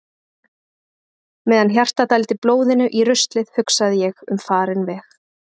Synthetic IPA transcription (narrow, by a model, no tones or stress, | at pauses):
mɛːðançjar̥t̪at̪ajlt̪ɪploːwðɪnʏʔirʏst̪lɪðhʏksaðɪjɛɣʏmfaːɾɪnvɛːx